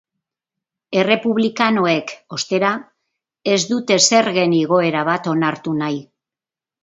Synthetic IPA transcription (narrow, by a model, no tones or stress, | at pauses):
e̞re̞puβlikano̞e̞ko̞st̪e̞ɾa | e̞zd̪ut̪e̞se̞ɾɣe̞niɣ̞o̞e̞ɾaβat̪o̞naɾt̪unaj